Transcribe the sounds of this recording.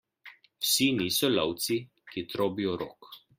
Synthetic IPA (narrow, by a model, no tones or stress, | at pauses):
wsiniːsɔlɔwt̪si | kit̪ɾoːbijɔɾo̰ːk